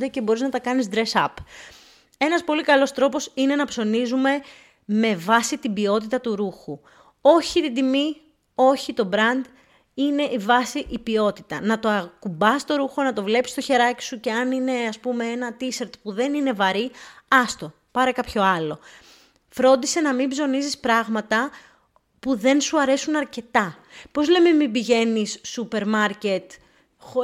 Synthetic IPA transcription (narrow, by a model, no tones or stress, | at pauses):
d̪ece̞bo̞ɾiznɐt̪ɐkɐnizd̪ɾesɐ̰p | e̞nɐspo̞likɐlo̞st̪ɾo̞po̞sine̞nɐpso̞nizume̞ | me̞vɐsit̪ibio̞t̪̬it̪ɐt̪uɾuxu | o̞çit̪id̪imi | o̞çit̪o̞bɾɐnd̪ | ine̞ʔivɐsiʔibio̞t̪it̪ɐnɐt̪o̞ɐkubɐst̪o̞ɾuxo̞nɐt̪o̞vle̞psi̥st̪o̞çe̞ɾɐci̥suce̞ɐnine̞ɐspume̞enɐt̪iseɾt̪puðe̞nine̞vɐɾiɐst̪o̞ | pɐɾekɐpço̞ɐlo̞ | fɾo̞nd̪ise̞nɐmibzo̞nizispɾɐɣmɐt̪ɐ | puðe̞nsuɐɾe̞sunɐɾce̞t̪ɐ | po̞zle̞memibiʝe̞nisːupe̞ɾmɐɾce̞t̪ | xo